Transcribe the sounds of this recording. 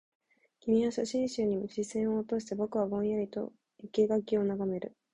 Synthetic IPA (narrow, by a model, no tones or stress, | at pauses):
kʲimʲiaɕaɕĩɰ̃ɕɨːɲ̟imoɕisẽ̞ɰ̃o̞t̪o̞ːɕi̥t̪ebo̞kɯ̟βabõ̞ɰ̃jait̪o̞̰ | ikeɡakʲio̞naɡame̞ɾɯ̟̰